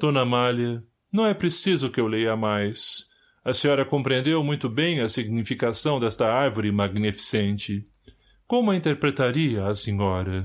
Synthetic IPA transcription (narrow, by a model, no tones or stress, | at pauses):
d̪̥õnɐmaljɐ | nɐ̃w̃ɛpɾesizʊkɪewlejɐmajs | ɐsĩɲɔɾɐkõpɾẽnd̪ewmũj̃t̪ʊbẽj̃ɐsiɡnifikasɐ̃w̃d̪ɛst̪ɐaɾvoɾɪmaɡnifi̥sẽnt͡ʃɪ | kõumɐĩnt̪eɾpɾet̪aɾiɐːsĩɲɔɾɐ